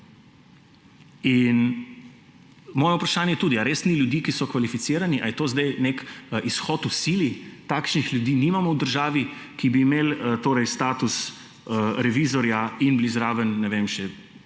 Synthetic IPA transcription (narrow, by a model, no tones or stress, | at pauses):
in | mɔːjɛupɾaʃaːnjɛt̪uːd̪iaɾeːsniljud̪iːkisɔkʋalifit̪siːɾaniʔajɛt̪oːzd̪ajnekʔisxɔːt̪usilit̪aːkʃnixlʲjud̪iːniːmamɔwd̪əɾʒaːʋikibiːmeːlt̪oːɾɛjst̪aːt̪us | ɾɛʋiːzɔɾjainblizɾaːʋənːɛʋemʃɛ